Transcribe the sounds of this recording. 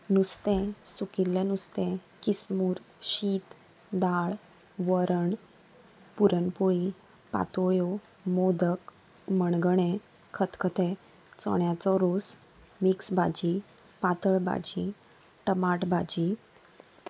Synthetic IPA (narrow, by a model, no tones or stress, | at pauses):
nust̪ẽsukiɾlenust̪ẽkismuːɾ | ɕiːt̪ | d̪aɭ | ʋəɾəɳ | puɾənpoɭi | pa̰t̪oɭjo | mod̪ək | məɳɡəɽ̃ẽ | kʰət̪kʰət̪ʰẽ | t͡sɔ̰ɳjat͡sɔɾus | miksbad͡ʑi | pat̪əɭba̰d͡ʑi | ʈəmaʈbad͡ʑi